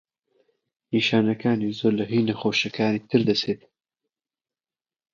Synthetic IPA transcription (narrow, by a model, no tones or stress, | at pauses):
iːʃaːnɐkaːniːzoːɾlɐɦiːnɐxoːʃɐkaːniːt̪ʰɨɾd̪ɐseːt̪̚